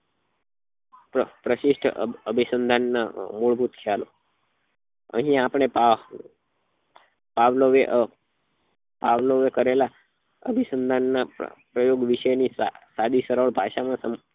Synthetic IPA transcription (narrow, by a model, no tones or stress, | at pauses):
pəpɾəʃɪʃʈʰəbʱisənd̪ʱanːamuɭbʱut̪kʰjalo̰ | ə̰̃ɦĩapɳ̃epa | paʋloʋeʔ | paʋloʋekəɾela | əbʱisənd̪ʱanːa̰pɾəjoɡʋiʃəjnisad̪isəɾəɭbʱaʃamãsə